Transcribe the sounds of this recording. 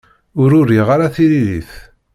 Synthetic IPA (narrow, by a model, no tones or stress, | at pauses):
ʊɾʊɾiʁaɾaθiliðiθ